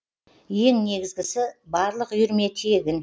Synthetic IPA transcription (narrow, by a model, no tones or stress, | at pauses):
je̞ŋne̞ɡʲɪzɡʲɪsɪbɑɾlˠəqʏjʏɾme̞t̪ʰijeɡʲɪn